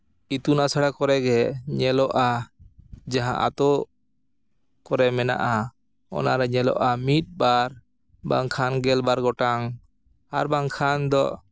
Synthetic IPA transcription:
it̪unasaɽakɔɾɛɡɛɲɛlɔʔa | d͡ʒaɦãʔa̰t̪ɔ | kɔɾɛmɛna̰ʔa | ɔ̰naɾɛɲɛlɔ̰ʔamit̪̚ˀbaɾ | ba̰ŋkʰanɡɛlbaɾɡɔʈaŋ | a̰ɾbaŋkʰand̪ɔʔ

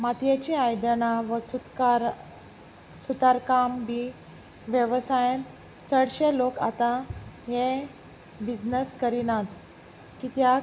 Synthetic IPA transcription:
mat̪jet͡ɕiajd̪əɳaʋəsu | sut̪aɾkambi | ʋjəʋsajə̃n | t͡səɽɕeloka̰t̪aɦẽ | bid͡znəskəɾinat̪ | kit̪ja

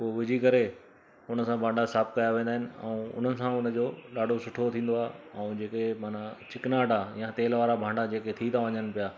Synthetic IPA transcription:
poːʋɪd͡ʑʱikɐɾe | ʊnə̆sãbʱãːɳɖasaːp̚kɐjaʋẽːnd̪ːɦɪnɪ̆ɛ̰ũʊ̰n̤ənɪ̆sãʊnəd͡ʑoːɗaːɖʱosʊʈʰot̪ʰĩːnd̪oaːɦeɛ̃ũd͡ʑeːkemaːnat͡ɕɪknaːɖajãt̪eːlʋaːɾabʱãːɳɖad͡ʑeːket̪ʰit̪ʰaʋɐɲənɪ̆pijaː

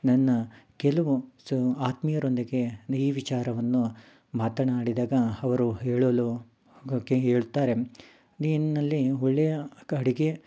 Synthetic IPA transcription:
nɐnːɐkɛlɐʋusaːt̪mijɐɾo̞nd̪iɡe̞niːʋit͡ʃaːɾɐʋɐnːu | maːt̪ɐɳɐmaːɽid̪aːɡɐɐʋɐɾuɦeːɭolo | keɦeːɭut̪aːɾe̞ | ninːɐlːiɔɭːejɐɐɽiɡe̞

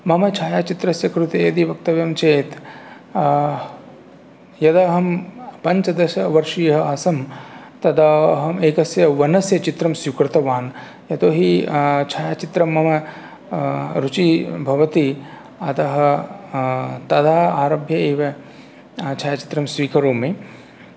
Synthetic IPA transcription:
mɐmɐt͡ʃʰaːjaːt͡ʃit̪ɾɐsjɐkɾut̪eːjɐd̪iʋɐk̚t̪ɐʋjɐmt͡ʃeːt̪ | jɐd̪aːɦɐmpɐɲt͡ʃɐd̪ɐʃɐʋɐɾʂijɐɦɐaːsɐmt̪ɐd̪aːɐɦɐmeːkɐsjɐʋɐnɐsjɐt͡ʃit̪ɾɐmsjukɾɪt̪ɐʋaːn | jɐt̪oːɦit͡ʃʰaːjat͡ʃit̪ɾɐmɐmɐ | ɾut͡ʃibʱɐʋɐt̪i | ɐt̪ɐɦɐ̆ | t̪ɐd̪aːaːɾɐbʱjɐeːʋɐ | t͡ʃʰaːjat͡ʃi̥t̪ɾɐmsʋiːkʰɐɾoːmi

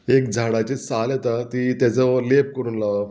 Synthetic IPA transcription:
ek̚d͡zʱaɽat͡ɕesaljet̪at̪iːt̪jat͡səlep̚kəɾuːnlaʋ

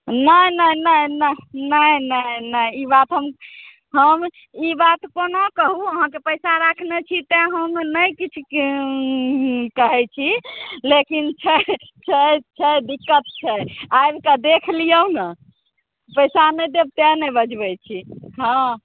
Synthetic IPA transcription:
nəjnəjnəjnənəjnənəjibat̪ɦəm | ɦəm | ibat̪konokəɦuəɦãkepəjsaɾakʰnɛt͡ʃʰit̪eɦəmnəjkit͡ʃʰu | kəɦɛt͡ʃʰilekint͡ʃʰɛ | t͡ʃʰəjt͡ʃʰɛjd̪ikːət̪̚t͡ʃʰɛajbkəd̪ekʰlijənə | pəjsaned̪eb̚t̪ɛnɛbəd͡ʒbɛt͡ʃʰiɦã

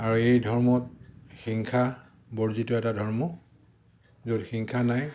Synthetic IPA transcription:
aɹuejdʱɔɹmɔt̚xiŋkʰa | boɹzitʊɛtadʱɔɹmɔ | zodxiŋkʰanaj

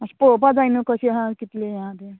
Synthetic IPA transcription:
ɐspopad͡zajnukʌsʰiɦãkit̪lejɦãd̪e

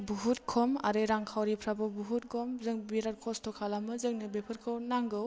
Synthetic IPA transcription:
buɦutkʰɔma̰ɾeɾaŋkʰawɾipʰɾabɔbuɦut̚ɡɔmzɯŋbiɾat̚kʰɔstʰɔkʰalamɯzɯŋnɯbepʰɯɾkʰɯwnaŋɡɯw

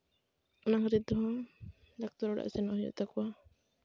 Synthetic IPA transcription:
ɔnakɔd̪it̪̚d̪ɔɦɔ̃ | d̪ak̚t̪ɔɾɔɽa̰ʔsɛnɔhɔjɔ̰ʔt̪akɔwa

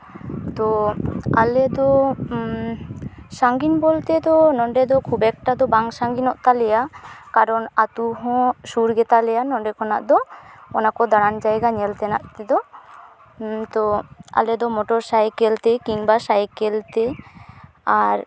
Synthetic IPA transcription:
t̪ɔa̰led̪ɔ | saŋɡinbolt̪et̪ɔnɔɳɖed̪ɔkʰubɛk̚ʈad̪ɔbaŋsaŋɡinɔʔt̪alɛjakaɾɔnat̪uɦɔ̃ʃuɾɡɛt̪alɛjanɔɖekɔna̰ʔd̪ɔɔnakɔd̪aɽand͡ʒajɡaɲelt̪ɛna̰ʔt̪ed̪ɔ | t̪ɔa̰led̪ɔmɔʈɔɾsajkelt̪ekiŋbasajkelt̪e | aɾ

